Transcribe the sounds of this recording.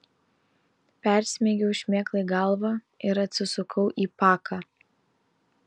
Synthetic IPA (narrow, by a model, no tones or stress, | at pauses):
pʲæˑɾʲsʲmʲeːɡʲɛʊʃʲmʲeːklˠɐɪɡɐlˠʋɐ | ɪɾɐt̪ʲsʲɪsʊkʰɐʊʔiːpɑːkʰɑː